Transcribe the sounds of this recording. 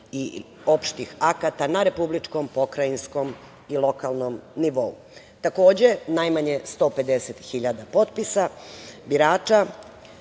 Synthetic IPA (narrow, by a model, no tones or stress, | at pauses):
i | opʃt̪ixakat̪anaɾe̞publit͡ʃko̞mpo̞kɾainsko̞m | ilˠo̞kalˠno̞mniʋo̞ṵ | t̪ako̞ːd͡ʑe̞najmaɲe̞st̪o̞ːpe̞d̪eset̪xiʎad̪apo̞t̪pisabiɾaːt͡ʃa